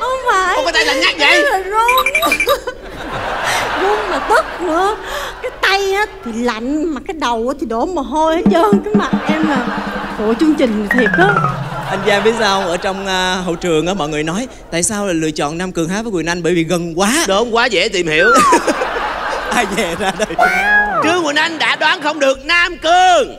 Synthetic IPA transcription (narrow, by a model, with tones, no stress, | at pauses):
ʔə˧ŋ͡mfaː˨jwfaː˨˦t̪a˨˧˦la˧˦nɲaː˦˥k̚zə˧˨jlaː˨˩zo˧n˨˦ | zo˧nmaː˨˩t̪ə˦˥t̚nɨ˧˩əkaː˨˦jt̪a˧jaː˨˦t̪ʰi˨˩la̰˧˨jŋ̟maː˨˩kaː˨˦jɗə˨˩wʔaː˨˦t̪ʰi˨˩ɗo˨˦mməː˨˩ɦo˧jhə˨˦t͡ɕəː˧ŋkaː˨˦jma˨˩t̚ʔɛ˧mlaː˨˩fo˧˨t͡ɕɨ˧əŋt͡ɕï˨˩ŋ̟˨˩t̪ʰi˨˩ək̚ʔaː˨˦ʔa˧jŋ̟zaː˧ɓi˦˥ət̚zaː˧hə˧wŋ͡mʔəː˧˩t͡ɕɔ˧wŋ͡mːɦə̰˧˨wt͡ɕɨ˨˩əŋʔəː˨˦mɔ̰˧˨jŋɨ˨˩ənɔ˨˦j | t̪a̰ː˧˨jsaː˧wlaː˨˩lɨ̰˧˨ət͡ɕɔ̰˧˨nːaː˧mkɨ˨˩əŋɦaː˨˥vəː˨˦jwi˨˩ənʔa˧jŋ̟ɓəː˧˩jvi˨˩ɣə˨˩nkwaː˨˦ɗo˨˧˦ŋ͡mkwaː˨˦zɛ̰˧˥t̪i˨˩mhḭ˧˩˨əw | ʔaː˧jzɛ˨˩zaː˧ɗə˨˩jt͡ɕɨ˧əŋːwi˨˩ənʔa˧jŋ̟ɗa̰ː˧˥ɗwaː˨˦nxə˧wŋ͡mɗɨ˨˩ək̚naː˧mkɨ˨˩əŋ